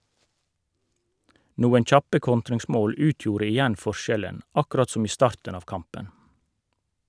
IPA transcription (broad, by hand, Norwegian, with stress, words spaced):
ˈnuːən ˈçɑpə ˈkɔntɾɪŋˌsmoːl ˈʉːtjuːɾə ɪˈjɛn ˈfɔˌʃɛlən ɑˈkɾɑt ˈsʊm ˈiː ˈstɑːʁtɳ̩ ˈɑːʋ ˈkɑmpən